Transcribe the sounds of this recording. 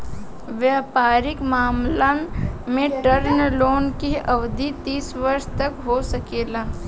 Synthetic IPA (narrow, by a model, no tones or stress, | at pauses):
ʋjaːpaːɾɪkmaːmlaːnmẽʈəɾnloːnkiɐʋd̪ʱit̪iːsʋɐɾʃt̪ɐkɦosɐkeːlaː